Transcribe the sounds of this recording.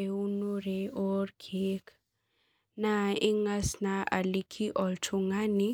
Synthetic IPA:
eunuɾeɔɾkʰek | naiŋasnaʔa̰likʰiʔɔlt͡ʃuŋani

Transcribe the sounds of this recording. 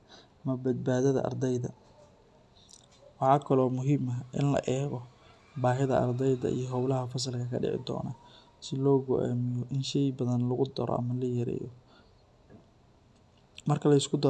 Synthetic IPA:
mɐbɐd̪̚baːðɐðɐ̰ʔɐ̰rd̪ɛjðɐ̰ | wɑħɑːkʰɐlɔːmʊɦimɐʔɪnlɐ̰ʔɛːɣɔ | baːɦɪðɐʔɐ̰rd̪ɛjðɐ̰ʔḭjɔɦɔwlɐɦɐfɐs̬ɐlkʰɐkʰɐ̰ɖɪ̰ʕɪ̰d̪ɔ̰ːna | sɪlɔːɡɔʔa̰ːmɪjɔʔɪnʃɛjbɐðɐnlɐɣʊd̪ɐɾɔ̰ʔɐ̰mɐlɐjɐɾɛ̰ːjɔ | mɐrkʰɐlɐɪskʰʊd̪ɔ

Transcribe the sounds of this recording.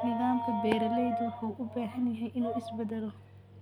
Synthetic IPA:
nɪðaːmkʰɐbɛːɾɐlɛjd̪ɔːkʰuːʔʊbaːɦɐnjɐɦɛjʔɪnuːɪsbɐd̪ɛlɔ

